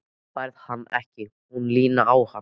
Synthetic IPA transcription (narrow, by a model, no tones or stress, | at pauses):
pajɾðhanːɛ̰hcɪ | hunliːnaaːwha